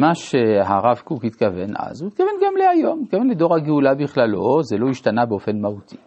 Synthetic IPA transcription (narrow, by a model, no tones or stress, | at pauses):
maʃeɦaʁavkukhit̪kavenʔa̰zuit̪̚kavenɡamleajo̞mhit̪kavenled̪o̞ʁhaɡeulabiχlalozelo̞iʃt̪anabeofenmahut̪ʰi